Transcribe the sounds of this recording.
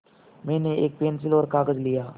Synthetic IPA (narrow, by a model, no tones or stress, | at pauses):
mɛ̃ːneeːk̚peːns̬ɪlɔːɾkaːɡəd͡ʒlɪijaː